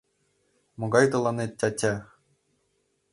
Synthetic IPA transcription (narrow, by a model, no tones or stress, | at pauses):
moɡɑjt̪ɤ̆lˠɑnet̪̚ʲːætʲæ